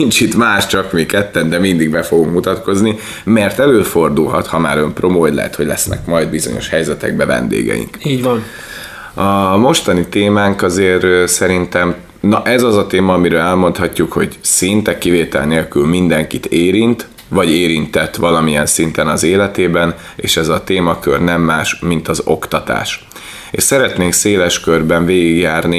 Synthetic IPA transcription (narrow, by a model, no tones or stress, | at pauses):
nint͡ʃit̪maːʃt͡ʃɒkmikɛt̪ːɛnd̪ɛmind̪iɡbɛfo̞ɡuŋkmut̪ɒt̪ko̞zni | mɛrt̪ɛløːfo̞rd̪ulɦɒ̰t̪hɒmaːɾø̞mpro̞moːjlɛ̰ɦɛ̰t̪hoɟʲlɛ̰snɛ̰kmɒjd̪̚bizo̞̰ɲo̞̰ʃhɛjzɛt̪ɛ̰ɡ̚bɛvɛ̰nd̪ḛːɡɛ̰jḭŋkiːɟvɒn | ɒmo̞ʃt̪ɒnit̪eːmaːŋkɒzeːrsɛɾint̪ɛm | nɒʔɛzɒzɒt̪eːmɒːmiɾøːlɛlmo̞nt̪hɒcːukho̞ɟsint̪ɛkːiveːt̪ɛ̰lneːlkylmind̪ɛŋkit̪eːɾint̪ | ʋɒɟeːɾint̪ɛt̪ːʋɒlɒmijɛnsint̪ɛnɒzeːlɛt̪eːbɛn | ḛːʃɛzɒt̪eːmɒkørnɛmːaːʃmint̪ɒzo̞̰kt̪ɒt̪a̰ːʃ | ḛːʃsɛɾɛt̪neːŋkseːlɛʃkørbɛɱveːɡiɡjaːrni